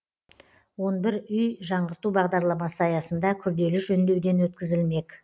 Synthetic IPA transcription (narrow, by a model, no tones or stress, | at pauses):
wo̞nbɪɾʏjʒɑɴʁəɾt̪ubɑʁd̪ɑɾlˠɑmɑsəɑjɑsənd̪ɑkʲʰʏɾd̪e̞lɪʒɵnd̪e̞wd̪e̞nwɵt̪kʲɪzɪlme̞k